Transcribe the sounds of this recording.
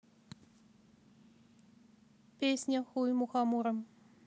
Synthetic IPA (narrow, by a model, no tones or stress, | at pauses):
pʲesʲnʲaxujmuxɑmuɾəm